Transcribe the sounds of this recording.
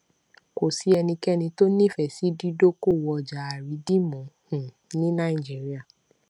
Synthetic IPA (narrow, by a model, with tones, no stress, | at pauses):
ko˨si˨˦ɛ˧nĩ˧kɛ˦nĩ˧to˦nĩ˦˨fɛ˨si˨˦di˦do˦ko˦˨wɔ˧˨d͡ʒa˨˦a˨ɾi˨˦di˦mɔ̃˨˦hũ˨ | nĩ˦nã˦˨i˨d͡ʒi˨˦ɾi˦a˦˨